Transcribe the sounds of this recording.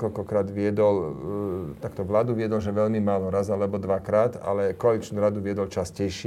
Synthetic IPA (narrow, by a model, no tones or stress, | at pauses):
kɔlkɔʎkɾaːd̪ʋɪɛd̪ɔl | t̪akt̪ɔʋlaːd̪uʋɪɛd̪ɔlʒɛʋɛʎmimaːlɔɾazalɛbɔd̪ʋakɾaːt̪a̰lɛkɔaːlit͡ʃnuːɾad̪uʋɪɛd̪ɔlt͡ʃascɛjʃɪ